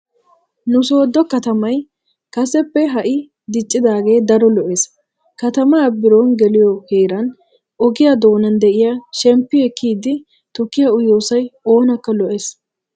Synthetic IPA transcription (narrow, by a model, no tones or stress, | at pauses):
nʊso̞ːd̪ːɔkɐt̪ɐmɐj | kɐsɛpːɛɦɐʔɪ | d̪ɪt͡ʃʼːɪd̪aːɡe̞ːd̪ɐɾɔlɔʔe̞ːs | kɐt̪ɐmɐːbɪɾoːnɡɛlɪjɔheːɾɐn | ɔɡɪjad̪o̞ːnɐnd̪ɛʔɪjaʃɛmpːɪɛkːiːd̪ɪ | t̪ʊkːɪjɐʊjoːsɐjo̞ːnɐkːɐlɔʔe̞ːs